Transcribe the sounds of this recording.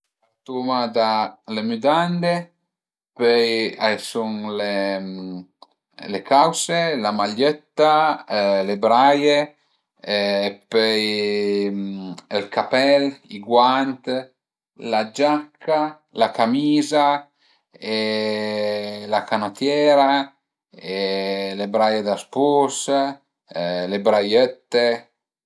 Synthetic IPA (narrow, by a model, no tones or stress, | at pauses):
at̪umad̪alemyd̪and̪e | pøjajsuŋle | lekawselamaʎːɛt̪ːa | lebɾaje | pøj | elkapɛliɡwant̪ | lad͡ʒakʰːa | lakamiːza | e | lakanot̪jɛːɾa | elebɾajed̪aspus | lebɾajøt̪ːe